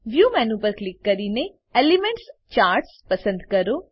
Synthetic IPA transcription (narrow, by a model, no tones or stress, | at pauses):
ʋjuːmɛ̃ːnũpəɾklɪkːɐɾiːne | eːlimẽɳʈst͡ʃaːɾʈspɐsə̃nd̪kɐɾo